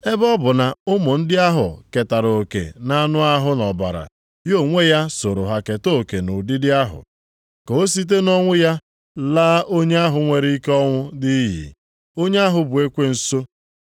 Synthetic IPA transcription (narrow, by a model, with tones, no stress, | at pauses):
e˦bɔ˦bʊ˨na˨ʊ˦mʊ˨n̩˦dɪ˦a˦ɦʊ̰˨ke˨ta˨ɾo˨kḛ˨na˦nʊ˦a˦ɦʊ˦nɔ˨ba̰˨ɾa̰˨ | jo˦˨ŋʷe˦ja˦so˨ɾo˨ɦa˨ke˨to˦˨ke˨nʊ˨dɪ˦dɪ˦a˦ɦʊ̰˨ | ko˨˦s̬i˦t̬e˦nɔ˦ŋʷʊ˦ja˦ | laː˦ʔo˦ɲe˦a˦ɦʊ˨ŋʷe˨ɾi˦i˦kɔ˦ŋʷʊ˦dɪ˦ɦḭ˨ | o˦ɲe˦a˦ɦʊ˨bʊ˨e˦kʷe˦n̩˨so˦